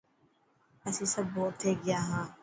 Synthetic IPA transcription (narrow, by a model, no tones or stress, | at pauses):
ɐsĩsɐbːɔːt̚t̪ʰːeːɡɪjaːɦãː